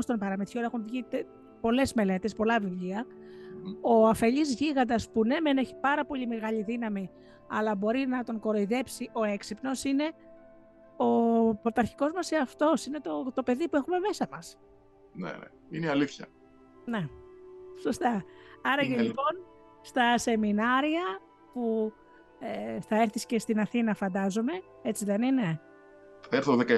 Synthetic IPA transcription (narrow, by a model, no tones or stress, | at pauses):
st̪o̞mpɐɾɐmet̪çioɾɐexunvʝit̪e | po̞le̞zme̞le̞t̪e̞spo̞lɐvivʎiɐ | o̞ɐfe̞ʎizʝiɣɐd̪ɐspune̞meneçi̥pɐɾɐpo̞ʎimeɣɐʎiðinɐmi | ɐlɐbo̞ɾinɐt̪o̞ŋko̞ɾo̞iðe̞psiʔo̞e̞ksipno̞sine̞ | o̞pot̪ɐɾçi̥ko̞zmɐseɐft̪o̞sine̞t̪o̞t̪o̞pe̞ðipue̞xume̞me̞sɐmɐs | nḛnḛ | ineɐliθçɐ̰ | ne̞ | so̞st̪ɐɐɾɐcelipo̞n | st̪ɐse̞minɐɾiɐ | pu | eθɐeɾθisce̞st̪inɐθinɐfɐnd̪ɐzo̞me̞ | e̞t͡siðe̞nine̞ | θeɾθoðekɐ